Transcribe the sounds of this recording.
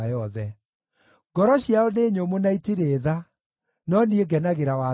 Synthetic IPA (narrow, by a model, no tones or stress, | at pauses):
ajɔðɛ | ɡ̥ɔɾɔɕiaoneːɲomonaitiɾeːða | nɔnieɡɛnaɣeɾawa